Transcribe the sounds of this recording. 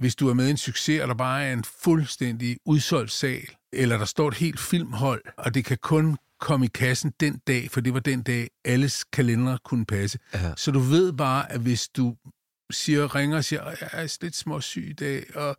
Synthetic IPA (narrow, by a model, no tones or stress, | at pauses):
ʋe̝sd̥uæɐmeð̞ˠe̝nsyɡ̥se̝æɾ̥ɑ̈b̥ɑ̈ːæɐe̝nfulsd̥en̰d̥iuðˠsɒ̽l̰d̥sɛ̰ːl | elɐd̥ɑ̈sd̥ɒ̰ːe̝d̥he̝̰ːld̥fil̰mɦɒ̽l̰ɒ̽d̥e̝kʰækʰɔ̽n | kʰɒ̽məikʰæsn̩d̥end̥ɛ̰ːfɒd̥e̝ʋɑ̈d̥end̥ɛ̰ːʔæləskʰælend̥ʁɐkʰunəpʰæsəsɒ̽d̥uʋe̝ð̰ˠb̥ɑ̈ːʔæʋe̝sd̥u | siːɐʁeŋɐɒsiːɐɒjɑæɐsnle̝d̥smɒ̽sy̰ːid̥ɛ̰ːɒ̽